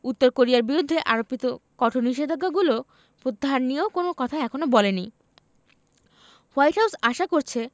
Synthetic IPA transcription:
ut̪ːoɾkoɾiaɾbiɾud̪ʱːeʔaɾopːit̪okɔʈʰoniʃed̪ʱoɡaɡulo | pɾot̪ːaɦanːieokonokɔt̪ʰaɛkʰonobɔleni | wajʈɦawsaʃakoɾt͡ɕʰe

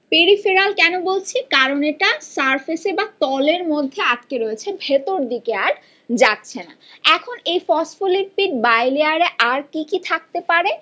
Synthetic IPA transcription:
peɾifiɾalkɛnobolt͡ɕʰikaɾoneʈasaɾfesebat̪ɔleɾmod̪ʱːeaʈ̚keɾoet͡ɕʰebʱet̪oɾd̪ikeaɾ | d͡ʑatːɕʰena̰ɛkʰonejfɔsfoliʈ̚piʈ̚bajliaɾeʔaɾkikit̪ʰak̚t̪epaɾe

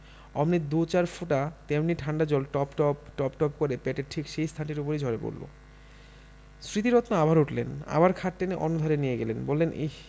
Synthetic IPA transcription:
ɔ̰mnid̪ot͡ɕaɾfoʈat̪emniʈʰaɳɖad͡ʑɔlʈɔpʈɔpʈɔpʈɔpkoɾepɛʈeʈʰikʃejst̪ʰanʈiɾopoɾid͡ʑʱɔɾepo̰ɾlo̰ | sɾit̪iɾɔt̪naabʱaɾuʈlḛna̰baɾkʰaʈ̚ʈeneʔɔnod̪ʱaɾenijeɡelenbolːenʔḛ

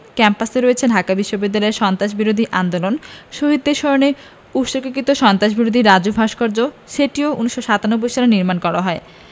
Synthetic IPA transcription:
kɛmpaseɾoet͡ɕʰedʱakabiʃːobid̪ːalɔeɾʃɔnt̪aʃbiɾod̪ʱiʔand̪olonʃoɦid̪ːeɾʃɔone | uʃoɾkokit̪oʃɔnt̪ɾaʃbiɾod̪ʱiɾad͡ʑubʱaʃkɔɾd͡ʑo | ʃeʈioʔuniʃːoʃat̪anobːojʃaleniɾmankɔɾaɦɔe

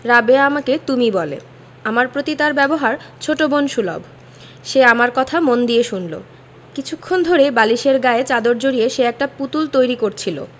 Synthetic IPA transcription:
ɾabeamaket̪umibɔlḛ | amaɾpɾot̪it̪aɾbɛboɦaɾt͡ɕʰoʈobonʃulo̰b | ʃeamaɾkɔt̪ʰamond̪ieʃunlo̰ | kit͡ɕʰukʰːond̪ʱoɾebaliʃeɾɡaet͡ɕad̪oɾd͡ʑoɾijeʃeɛk̚ʈaput̪ult̪ojɾikoɾt͡ɕʰilo̰

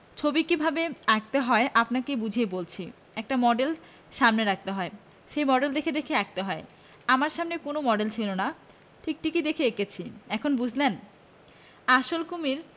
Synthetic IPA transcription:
t͡ɕʰobikibʱabeak̚t̪eɦɔeʔapnakebud͡ʑʱiebolt͡ɕʰi | ɛk̚ʈamɔɖel | ʃamneɾak̚t̪eɦɔe | ʃejmɔɖeld̪ekʰed̪ekʰeak̚t̪eɦɔe | amaɾʃamnekonomɔɖelt͡ɕʰilona | ʈʰik̚ʈikid̪ekʰeekʰet͡ɕʰiɛkʰonbud͡ʑʱlen | aʃolkumiɾ

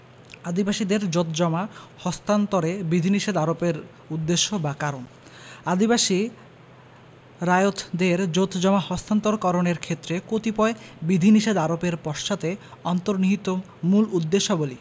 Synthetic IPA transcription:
ad̪ibaʃid̪eɾd͡ʑot̪ʰd͡ʑɔmahɔst̪ant̪oɾebid̪ʱiniʃed̪aɾopeɾ | ud̪ːeʃːobakaɾon | ad̪ibaʃi | ɾajot̪ʰd̪eɾd͡ʑot̪ʰd͡ʑɔmahɔst̪ant̪oɾkɔɾoneɾkʰet̪ːɾekot̪ipɔebid̪ʱiniʃed̪aɾopeɾpɔɾʃʃat̪eɔnt̪oɾniɦit̪ːo | mulud̪ːeʃːoboli

